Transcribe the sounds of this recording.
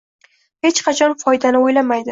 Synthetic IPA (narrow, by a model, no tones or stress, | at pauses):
he̞t͡ʃqʰɑt͡ʃʰɒnfɒjd̪anɪojlamajd̪ɪ